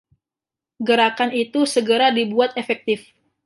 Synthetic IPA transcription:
ɡəɾakanit̪usəɡəɾadibuat̪efɛk̚t̪ɪf

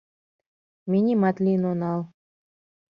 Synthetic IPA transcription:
minʲimɑt̪liənonɑl

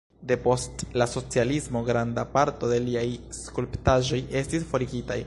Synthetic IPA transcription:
de̞po̞stlaso̞t͡sialismo̞ɡɾandapaɾto̞de̞liajskulptaʒo̞je̞stisfo̞ɾiɡita̰j

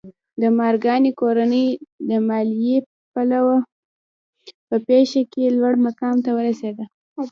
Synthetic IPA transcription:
d̪əmɑɾɡɑnikoɾanəjd̪əmɑlije | palawa | pəpeʃakelwaɽmakɑmt̪awəɾased̪a

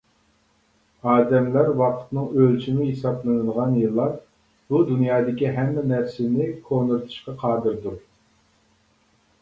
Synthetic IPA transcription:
ɑːd̪ɛmlæɾwɑqʰə̥t̪nɨŋølt͡ʃʰimɪɦesɑplˠɨnɨəʁɑnjɨlˠːɑɾ | b̥ud̪unjɑːd̪ɪkʲiɦɛmːɛnɛɾsɪnɪkʰonɨɾt̪ʰɨ̥ʃqɑqʰɑːd̪ɨɾd̪uɾ

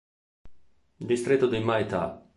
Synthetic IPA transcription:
d̪ist̪ɾet̪ːod̪imajt̪a̰

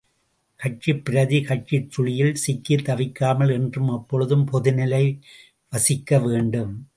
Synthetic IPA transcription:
kɐʈ̚t͡ʃipːɪɾɐðikɐʈ̚t͡ʃɪʈːʊɻɪjɪlsɪkːɪt̪ːɐʋɪkːaːmɐlɛndrɯmɐpːɔɻɯðɯmpɔðɪnɐlɐɪ | ʋɐsɪkːɐʋeːɳɖɯm

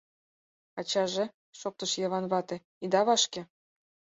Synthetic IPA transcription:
ɑt͡ɕɑʒe | ʃok̚t̪ə̆ʃjɑβɑnβɑt̪ĕ | id̪ɑβɑʃkĕ

